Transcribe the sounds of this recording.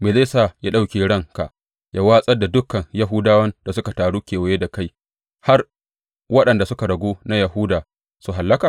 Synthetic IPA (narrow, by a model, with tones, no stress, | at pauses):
meː˨le˦˨saː˦˨ja˦ɗa˦wkʲeː˨ɽɐ˦ŋka˨ʔ | jʔa˦waː˦sʼɐ˦da˨dʊ˦kɐ˨ŋja˦ɦuː˦daː˦wɐ˦nd̥a˨sʊ˦ka˨taː˨ɽuː˦kʲeː˨wa˨je˦da˨ka˦j | ha˦r | wɐ˦ɗɐ˨nda˨sʊ˦ka˨ɽɐ˨ɡʷoː˦na˦jɐ˨ɦʊː˦daː˨ | su˨ɦa˨lːɐ˦kaː˨